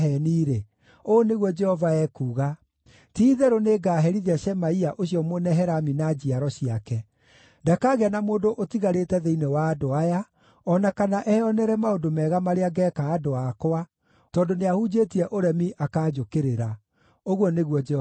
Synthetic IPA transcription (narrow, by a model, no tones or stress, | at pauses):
ɛniːɾe | oːneɣwɔd͡ʒɛhɔvaɛkuːɣa | tiːðɛɾoneɡaːɦɛɾiðɛɕɛmaiaʔoɕiɔmonɛɦɛɾaminad͡ʑiaɾɔɕiakɛ | ndakaːɣeanamoːndoʔotiɣaɾetɛðeinewaːdoaja | ɔnakanaʔɛɔnɛɾɛmaodomɛːɣamaɾeaɡɛːkaːdoakoa | tɔːndoneahud͡ʑetiɛʔoɾɛmiʔakaːd͡ʒokeɾeɾa | oɣwɔneɣwɔd͡ʒɛ